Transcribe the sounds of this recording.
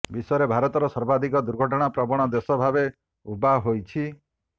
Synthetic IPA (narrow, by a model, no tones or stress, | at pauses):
bisɔjɔɾebʱaɾɔt̪ɔɾɔsɔɾbad̪ʱikɔd̪uɾɡʱɔʈ̬ɔɽ̃apɾɔbɔɽ̃ɔd̪esɔbʱabe | ubaɦojt͡ʃʰi